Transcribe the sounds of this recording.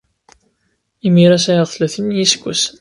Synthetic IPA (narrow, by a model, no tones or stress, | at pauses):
imiɾæsæjəðˤθlæθənjiskʷːə̰s